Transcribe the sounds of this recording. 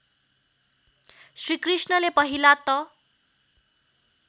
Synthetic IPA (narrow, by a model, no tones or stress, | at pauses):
sɾikrisɳʌlepʌɦilat̪ʌ